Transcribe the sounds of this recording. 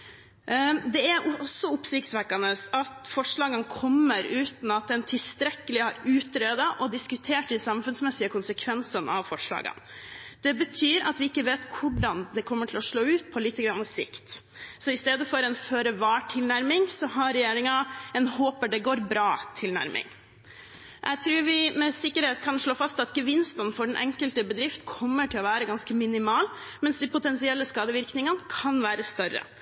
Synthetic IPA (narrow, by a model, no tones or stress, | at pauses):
d̪ɛæɾʔɔsːɔʊpsɪksʋækːɑnəsɑt̪fɔʂɭɑːɡənkʰɔmːəɾʉːt̪n̩ɑt̪̚d̪ɛnt̪ʰɪlst̪ɾɛkːəlɪhɑɾʉːt̪ɾeːd̪ɑʔɔd̪ɪskʉt̪ʰeːʈɪsɑmfʉnsmɛsɪəkʰʊnsəkʰʋɛnsənɑ̰ʋfɔʂɭɑ̰ːɡə̰nd̪̥ɛbət̪ʰyːɾɑ̰t̪ʋɪɪkːəʋeːt̪kʰʊɖɑnd̪ɛkʰɔmːəʈʰɪlɔʂɭoːʉːt̪̚pʰɔliːt̪ːəɡɾɑnːəsɪ̰kt̪ | sɔɪst̪eːd̪əfɔɾɛnføːɾəʋɑːʈʰɪlnæɾmɪŋsɔɦɑɾɛjeːɾɪŋɑɛnhoːpəɖɛɡoːɾbɾɑːt̪ʰɪlnæ̰ɾmʔɪ̰ŋ | ʔɛ̰ɡt̪ʰɾʉːɾʋɪmɛsɪkːəɾheːt̪kʰɑnʂɭoːfɑst̪ɑt̪ɡəʋɪnst̪ənfɔɖɛnʔɛ̰ŋkəlt̪əbəd̪ɾɪft̪kʰɔmːəʈʰɪlɔʋæːɾəɡɑnskəmɪnɪmɑːl | mɛnsd̪ɪpʊt̪ʰɛnsɪɛlːəskɑːd̪əʋɪɾknɪŋənkʰɑnʋæːɾəst̪œɾːə̰